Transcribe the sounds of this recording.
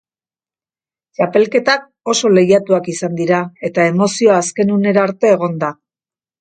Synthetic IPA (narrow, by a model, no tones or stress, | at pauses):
t͡ʃape̞lke̞t̪ak̚ | o̞so̞le̞jat̪uakisand̪iɾae̞t̪ae̞mo̞sioaːske̞nune̞ɾaɾt̪e̞ːɣ̞o̞nd̪a